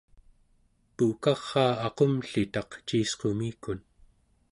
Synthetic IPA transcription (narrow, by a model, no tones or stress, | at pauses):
pukɑʁːɑːɑqomɬit̪ɑqt͡ʃiːsqomiːkun